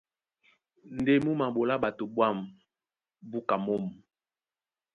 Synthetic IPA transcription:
n˨de˦mu˦ma˨bo˨la˦ɓa˨to˨bwa˦˨m | bu˦ka˨mo˦m˨

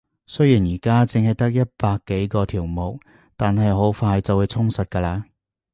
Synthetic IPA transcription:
sɵ˥jiː˨˩njiː˨˩kaː˥t͡sɪ˧ŋhɐ˨˩jt̪ɐ˥k̚jɐ˥t̚paː˧kːe˨˥jkɔː˧t̪ʰiː˨˩wmo˨k̚ | t̪aː˨nɦɐ˨jɦo˨˥wfaː˧jt͡sɐ˨wu˨˧jt͡sʰʊ˥ŋsɐ˨t̚kɐː˧laː˧

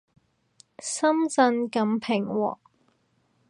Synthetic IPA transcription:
sɐ˥mt͡sɐ˧nkɐ˨˥mpʰɪ˨˩ŋwɔ̰ː˨˩k̚

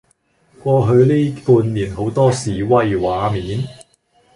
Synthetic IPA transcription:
kʷɔː˧ɦɵ˨˧ɥliː˥puː˧nliː˨˩nɦo˨˥wt̪ɔː˥siː˨˩wɐ˥jwaː˨˧˥miː˨˥n

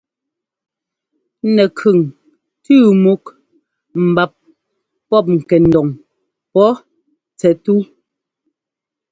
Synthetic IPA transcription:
nɛ˨kʰʉ˨ŋ | tʉː˦˨mu˦k | m̩˨ba˨p̚ | pɔ˦˨p̬̚ŋ̩˨kɛ˨n̩˨dɔ˨ŋ | pɔ˦ | t͡sɛ˨tu˦

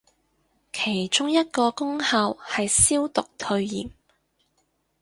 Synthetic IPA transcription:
kʰe˨˩jt͡ʃʊ˥ŋjɐ˥t̚kɔː˧kʊ˥ŋhaː˧whɐ˨jsiː˥wt̪ʊ˨k̚t̪ʰɵ˧ɥjḭː˨˩m

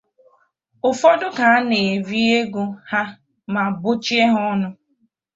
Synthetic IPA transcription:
ʊ˨fɔ˦dʊ˦ka˨a˦ne˨vi˦e˦ɡu˦ha˦ | ma˨bʊ˦t͡ʃi˦e˦ɦɔ˦nʊ˦

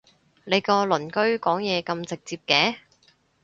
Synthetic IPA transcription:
le˨˧jkɔː˧lɵ˨˩nkɵ˥ɥkɔː˨˥ŋjɛː˨˧kɐ˧mt͡sɪ˨k̚t͡siː˧p̚kɛː˨˧

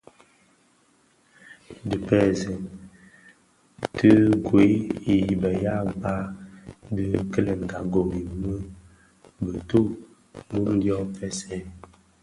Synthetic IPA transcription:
də˨pɛ˦˨zɛ˨n | tɨ˦ɡwe˨˦i˨ji˨bə˨ja˦˨ba˦də˦kə˦lə˨ŋ̩˨ɡa˨ɡo˨mi˨mə˦ | bə˨tu˦ | mu˦m˦djɔ˦p͡fɛ˦sɛ˦˨

